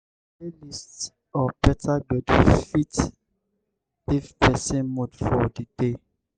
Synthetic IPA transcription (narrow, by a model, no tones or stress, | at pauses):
elist | ɔpɛtaɡ͡bɛdufit | difpɛsɛ̃nmodfɔdid̥e